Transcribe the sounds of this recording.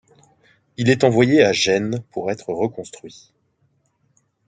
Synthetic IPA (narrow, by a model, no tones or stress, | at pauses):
ilɛt̪ɑ̃vwajeaʒɛnpuʁɛt̪χəʁəkɔ̃st̪χɥi